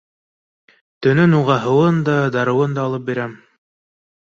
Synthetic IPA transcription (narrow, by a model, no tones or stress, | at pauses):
t̪ɵ̆nɵnuʁɑɦɤ̆wɤnd̪ɑd̪ɑɾɤ̆wɤnd̪ɑːlˠɤp̚biɾæm